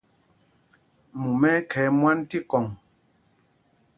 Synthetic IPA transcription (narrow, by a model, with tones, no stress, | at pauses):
mu˨mɛ˦kʰɛ˨˦mwa˦nti˦kɔ˨ŋ